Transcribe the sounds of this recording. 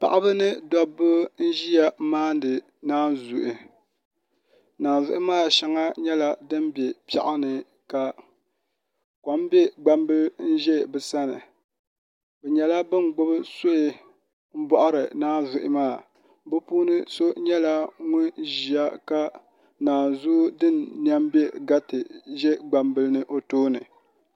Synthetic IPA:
pa̰˨ʔa˦bɨ˦nɨ˦dɔ˦bɨ˦n̩˦ʒi˦ja˦maː˦n˦dɨ˨ | naː˦n˦zu˨ʔɪ˨ | naː˨nzʊ̰˨ʔɪ˦maː˦˨ʃa˨ŋa˦ɲɛ˦la˦dɨ˦m˦bɛ˨pa̰˨ʔa˦nɨ˨ | ka˨ | kɔ˨˦m˦bɛ˦ɡ͡ba˦mbɨ˦n̩˦ʒɛ˦bɨ˨sa˦nɨ̰˨ | bɛ˨ɲɛ˨la˦bɨ˦mɡ͡bʊ˦bɨ˦sʊ˦ʔɪ˦ | m̩˦bɔ˦ʔʊ˦ɾɨ˨naː˦zʊ˨ʔɪ˦maː˦˨ | bɨ˦puː˦nɨ˦so˦ɲɛ˦la˦ŋʊ˦nʒi˨a˦ka˦ | naː˨zu˦dɨ˦nːi˦a˦m˦bɛ˦ɡa˦tɨ˨ʒɛ˦ɡ͡ba˨mbɨ˦lɨ˦nɨ˦ʔo˦toː˦nɨ̰˨

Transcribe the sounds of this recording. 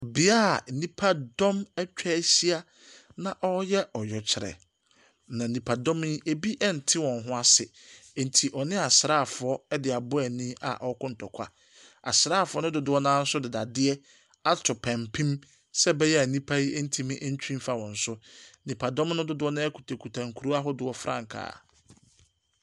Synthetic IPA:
bi˨a˦˨nĩ˦pʰa˦dɔ̃˦mɛ˦t͡ɕᶣɛ˦ɕi˦a˦ | nã˨ʔɔ˦jɛ˦ɔ˨jɔ˨t͡ɕʰɪ˨ɾɛ̰˨ | nã˨nĩ˨pʰa˨dɔ̃˦m˦i˦e˨bi˦ʔɛ˦n̩˨tʰɪ˦wɔ̃˨n˨ɦʊ̃˦a˦sɪ˨ | n̩˨tʰi˨ʔɔ˨nɪ̃˦a˨sɾaː˦˨fʊ˨ɔ˦ɛ˦dɪ˨a˨bʊ˦ɛ˨nĩ˦a̰˨ʔɔ˦kʊ̃˦n̩˨tʰɔ˨kʷʰa̰˦ | a̰˨sɾaː˦˨fʊ˨˦ɔ˦nʊ̃˦dʊ˨dʊ˦ɔ˦nãː˦n̩˦sʊ˦dɪ˨da˨dɪ˦ɛ˦ | a˦tʰʊ˨pʰã˨mpʰĩ˦m | sɛ˦bɛ˦jɛ˦a˨nĩ˦pʰa˦i˦e˦n̩˦tʰi˦mɪ̃˦ʔn̩˦t͡ɕʰᶣĩ˦m˦fa˨wɔ̃˨n̩˨sʊ˦nĩ˨pʰa˨dɔ̃˦m˦nʊ̃˦dʊ˦dʊ˦ɔ˦nã˦ɛ˦kʰu˨tʰa˨kʰu˨tʰã˨ŋ˨kʰu˨ɾu˦a˦ɦʊ˦dɪ˨ɔ˨fɾʔã̰˦˨ŋ̩˨kʰa̰ː˨

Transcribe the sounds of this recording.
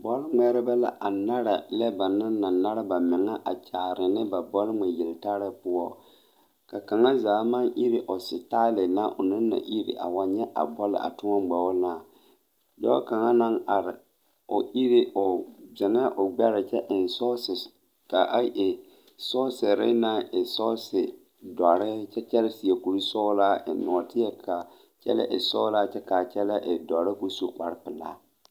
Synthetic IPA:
bɔ˦lŋ͡mɛ˦ɾɪ˦ba˦la̰˦ʔa˨na˦ɾa˨lɛ˦ba˨nɪ˦nːa˨na˦ɾa˦ba˨mɪ˨ŋa˦ʔa˨t͡ʃa˨ɾɪ˨nɪ˦ba˨bɔ˦lŋ͡mɛ˨jɪ˨lta˦ɾɪ˦pʊ˦ɔ˦ | ka˨ka˨ŋa˦zaː˨˦ma˦nʔi˦ɾɪ˦ʔo˨sɪ˨ta˦lɪ˨na˦ʔʊ˨nɪ˦nːa̰˨ʔi˦ɾḭ˨ʔa̰˨wa˦ɲɛ˦ʔa̰˨bɔ˦lɪ̰˨ʔa̰˨tʊ˦ɔ˦ɡ͡bɛ˨wʊ˦naː˨ | dɔ̰˦ka˨ŋa˦na˦ŋʔa˨ɾɪ˨ | o˨ʔi˦ɾi˦ʔo˨zɛ˨n˦ʔʊ˨ɡ͡bɛ˦ɾɪ˨t͡ʃɛ˦ʔɪ˨nsɔ˦sɪ˨s | ka˨ʔa˦ʔe˨ | sɔː˦sɪ˨ɾɪ̰˦na˦ɪ˨sɔ˦sɪ˨ | dɔ˨ɾɪ˦t͡ʃɛ˦t͡ʃɛ˦lɪ˦si˨e˨ku˨ɾi˦sɔ˦la˦ɪ̰˨nɔ˨tɪ˦jɛ˦kʰa˨ | t͡ʃɛ̰˦lɛ̰˦ʔɪ˨sɔː˦la˦t͡ʃɛ˦ka˨t͡ʃɛ˦lɛ˦ʔɪ˨dɔ˨ɾɪ˦ku˦su˨ka˦ɾpɪ˨la̰˦

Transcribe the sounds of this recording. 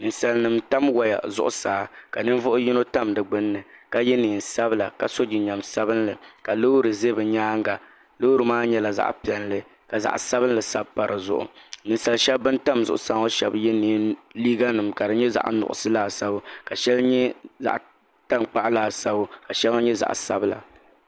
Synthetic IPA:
nɨ˨nsa˨lnɨ˨mta˦mwa˨ja̰˨zʊ̰˦ʔʊ̰˦saː˨˦ka˨nɨ˦n˦vʊ˦ʔʊ˦ji˦no˦ta˦mdɨ˨ɡ͡bɨ˦nːɨ˨ka˨jɛ˦niː˨n˨sa˦bla˨ka˨so˦d͡ʒi˨ɲa˨msa˦bɨ˦nlɨ˨ka˨lo˦ɾɨ˨ze˦bɨ˨ɲaː˦ŋɡa˨ | lo˦u˦ɾɨ˨maː˦ɲɛ˦la˨za̰˦ʔpi˨ɛ˨nlɨ˦ | ka˨za̰˨ʔsa˦βɨ˦n˦lɨ˨sa̰˦bpa˨ɾɨ˨zʊ̰˦ʔʊ̰˨nɨ˨n˨sa˨lʃɛ˦bːɨ˦nta˦mzʊ̰˦˨ʔʊ˨sa˦ŋo˦ʃɛ˨bjɛ˦niː˨˦nliː˦ɡa˦nɨ˨mka˨dɨ˨ɲɛ˦za̰˨ʔnʊ̰˨ʔʊ̰˨sɨ˦laː˦˨sa˦bʊ˦ka˨ʃɛ˦lɲɛ˦za̰˨ʔ | ta˦nk͡pa˦ʔlaː˨sa˦bʊ˦ka˨ʃɛ˦lo˦ɲɛ˦za̰˨ʔsa˦bla̰˨

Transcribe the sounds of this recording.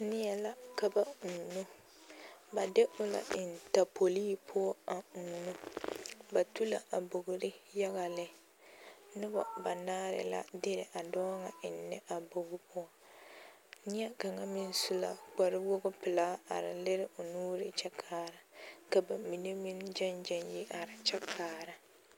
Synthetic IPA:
nɪ˦jɛ˦˨la˦ka˨ba˦˨nu˦ | ba˨de˦ʔʊ˦la̰˨ʔɪ˨n˨ta˨po˨liː˦pʰʊ˦ɔ˦a˨nu˦ | ba˨tu˦la̰˨ʔa˨bo˨ɡʊ˨ɾɪ˦ja˦ɣa˨lɪ˦ | nɨ˦ba̰˨ba˨naː˦ɾɪ̰˨la̰˦dɪ˦ɾɪ̰˨ʔa˨dɔː˦ŋa˨ɪ˨nːɛ˦ʔa˨bo˨ɣʊ˦pʰʊ˦ɔ˨ | nɪ˦a˦ka˨ŋa˦mɪ˦n˦su˦la̰˨ɡ͡ba˨ɾɪ˦wo˦ɡʊ˦pɪ˨laː˦a̰˨ɾɪ̰˨lɪ˦ɾɪ˦ʔʊ˨nuː˦ɾɪ˦t͡ʃɛ˦kʰaː˦ɾa˨ka˨ba˨mi˨ne˦mɪ˦nd͡ʒɛ˦nd͡ʒɛ˦nji˦ʔa˨ɾɪ˨t͡ʃɛ˦kʰaː˨ɾa˨

